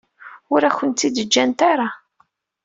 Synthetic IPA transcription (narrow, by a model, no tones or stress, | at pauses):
ʊɾæçənt̪ːid̪əd͡ʒːænt̪aɾˤa